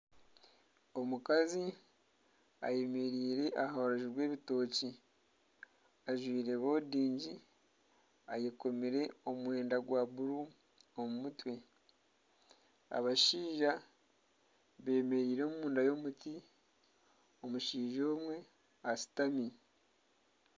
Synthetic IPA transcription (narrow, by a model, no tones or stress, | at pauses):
o̞mukazi | a̰je̞me̞ɾiːɾe̞ʔahaaɾoʒiɾwe̞ːβito̞ːci | aʒwiːɾeβo̞ːdiːɲɟi | ajeko̞miɾe̞o̞mwe̞ːndaɡwaːβuɾu | omumutwe̞ | a̰βaʃiːʒa | βe̞ːme̞ɾiːɾoːmumuːndajo̞ːmuti | omuʃiːʒo̞ːmwe̞ | asi̥tami